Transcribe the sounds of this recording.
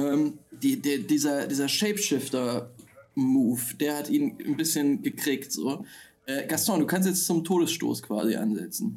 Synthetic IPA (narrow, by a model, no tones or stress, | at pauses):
ʔɛːmd̥iːdeːdiːzɐdiːzɐʃɛɪpʃɪftɐ | muːfd̥eːɐhatʔiːnnbɪsçənɡəkʁ̥iːktz̥oː | ʔɛːɡastɔ̃nduːkʰanstjɛt͡st͡sʊmtʰoːdəsʃto̰ːskv̥a̰ːzḭʔa̰nzɛ̰t͡sn̩